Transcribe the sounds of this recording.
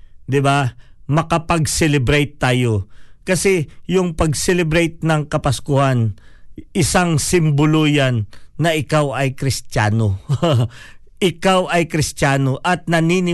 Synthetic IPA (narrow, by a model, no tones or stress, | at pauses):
d̪ɪbamɐkapɐɡsɛlɛbɾɛjt̪ːaːjo̞kɐsɛjʊŋpɐɡsɛlɛbɾɛjt̪̚nɐŋkɐpɐskʊhanʔɪsaŋsɪmbʊlojanːɐʔɪkawɐjkɾɪst̪jaːno | ʔɪkawʔɐjkɾɪst̪aːno̞ʔɐt̪̚nɐninɪ